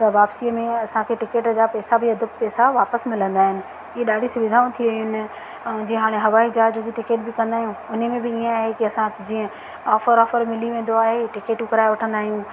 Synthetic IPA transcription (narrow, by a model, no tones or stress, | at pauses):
t̪ɐʋaːpsiːəmẽɐsãkʰeʈɪkeːʈd͡ʑaːpɛːsabɪɐd̪ʱəbpɛːsaʋaːpəsmɪlə̃nd̪aːɦɪnɪ̆ | ɪeɗaːɖʱisʊʋɪd̪ʱaːũt̪ʰiʋɐɦijʊn | d͡ʑiːə̃ɦaːɽ̃eɦɐʋaːid͡ʑaːɪd͡ʑd͡ʑiːʈɪkeːʈbɪkɐ̃nd̪aːɦijũʊnmẽbɪiːə̃aːɦekiɐsãd͡ʑiːə̃ | ɔːfəɾɔːfəɾmɪliʋẽːn̆d̪oaːɦeʈɪkeːʈʊkɐɾaːeʋɐʈʰə̃nd̪aːɦijũ